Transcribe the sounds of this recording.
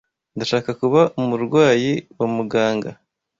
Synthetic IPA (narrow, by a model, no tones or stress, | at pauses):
ndaʃaːkakuβaʔumuɾɡwaːjiwamuɡaːŋɡa